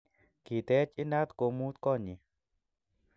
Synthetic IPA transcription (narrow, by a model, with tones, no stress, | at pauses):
ki˨t̪ɛ˦t͡ʃi˦na˦t̪ko˧mu˦t̪kɔ˦˨ɲi˨